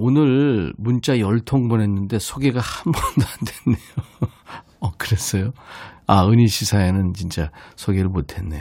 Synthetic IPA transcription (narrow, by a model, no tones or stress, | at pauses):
onɯɾmunt͡ɕ͈ajʌɭtʰoŋbʌne̞nːɯnde̞sʰoɡeɡahambʌndoande̞nːejo | ʌkɯɾe̞s͈ʌjoaɯɲiɕʰisʰaenɯnt͡ɕint͡ɕ͈asʰoɡeɾɯɭmotʰe̞nːej